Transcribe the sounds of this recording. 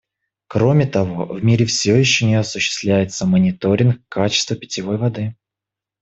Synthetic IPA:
kɾo̞mʲɪt̪ɐvo̞vmʲiɾʲɪfsʲɪojɪɕːonʲɪɐsʊɕːɪ̥st̪lʲæjɪt̪səmənʲɪt̪o̞ɾʲɪnkkːat͡ɕɪ̥st̪vəpʲɪ̥tʲɪvo̞jvɐd̪ɨ

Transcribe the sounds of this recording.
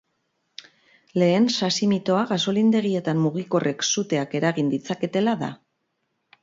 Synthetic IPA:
le̞ːnsasimit̪o̞aɣaso̞lind̪e̞ɣ̞ie̞t̪ammuɣiko̞rʔe̞ksut̪e̞ake̞ɾaɣind̪it͡sake̞t̪e̞laða̰

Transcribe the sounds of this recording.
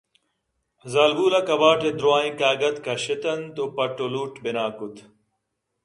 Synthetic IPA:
zaːlɡuːlɐkɐbaːʈed̪ɾoaːĩkaːɡɐt̪kɐɕit̪ɐnt̪opɐʈːoluːʈbinaːkut̪

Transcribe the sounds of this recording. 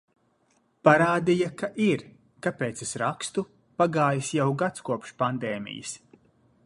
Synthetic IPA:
paɾaːd̪ijakaʔiɾ | kapeːt̪sesɾakst̪u | paɡaːjisjawɡat̪skuɔpʃpand̪ɛːmḭjḭs

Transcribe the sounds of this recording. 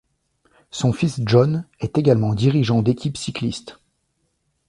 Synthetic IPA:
sɔ̃fisʒɔnɛt̪eɡalmɑ̃d̪iʁiʒɑ̃d̪ekʲipsiklist̪

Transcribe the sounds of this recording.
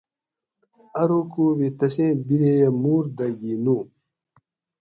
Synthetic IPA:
ɐɾokuwet̪ɐsẽbiɾejɐmuːɾd̪ɐɡinuː

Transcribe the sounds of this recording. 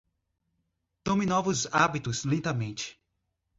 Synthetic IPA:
t̪õminɔvʊzabit̪ʊzlẽnt̪ɐmẽnt͡ʃɪ̥

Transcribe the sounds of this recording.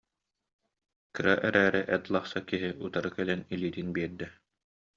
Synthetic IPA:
kɯɾaʔɛɾæːɾɛʔɛt̪lˠaχsakiɦiʔut̪aɾɯkɛlɛnilʲiːt̪inbiɛɾd̪ɛ

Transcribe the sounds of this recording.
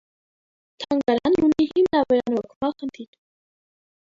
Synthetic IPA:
t̪ʰɑŋɡɑɾɑnunihimnɑvɔɾɑnɔkʰmɑχənt̪ʰiɾ

